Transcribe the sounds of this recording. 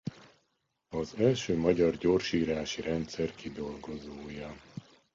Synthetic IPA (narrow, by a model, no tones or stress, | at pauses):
ɒzɛlʃøːmɒɟɒrɟoːrʃiːɾaːʃiɾɛnt̪sɛrkid̪o̞lɡo̞zoːjɒ